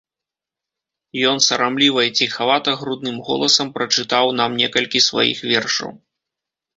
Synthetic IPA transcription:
jɔnsɐɾamlʲivɐt͡sʲixavat̪ɐɣɾud̪̚nɨmɣɔ̰lˠɐsɐmpɾɐt͡ʂɨt̪awn̪amnʲɛkɐlʲkʲisva̰jḭxvʲɛrʂɐ̰w

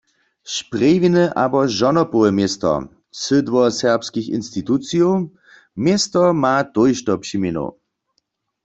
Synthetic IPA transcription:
ʃpʁevinɛʔabɔʒɔnɔpoɛmjest̪ɔ̰ | sɪdwɔsɛʁpskixḭnst̪it̪ut͡sijow | mjest̪ɔmat̪ojʃtɔpʂimeno̰

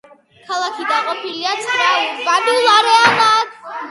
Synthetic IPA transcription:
kʰalˠakʰid̪aqʼɔpʰiliat̪sʰχɾababilˠaɾɛanak

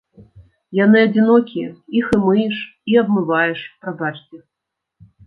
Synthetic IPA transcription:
janɨɐd͡zʲinɔkʲiɛixɨmɨjɛʂ | iɐbmɨvajɛʂpɾabat͡ʂt͡sʲɛ

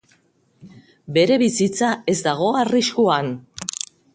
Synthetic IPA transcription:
be̞ɾe̞βisit͡sae̞zd̪aɣ̞o̞ariskuan

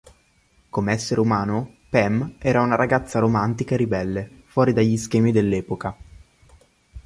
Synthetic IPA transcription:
komeɛsːeɾeumaːno | pɛmɛːɾaunaɾaɡat̪sːaɾomant̪ikaeɾibɛlːe | fwɔːɾid̪aʎːisk̟ɛːmid̪elːɛːpoka

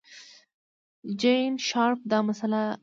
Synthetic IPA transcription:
d͡ʒejnʃɑɾp̚d̪ɑmasala

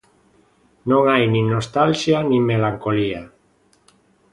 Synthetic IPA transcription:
nõŋajnĩnost̪alʃjanĩmelaŋkolia

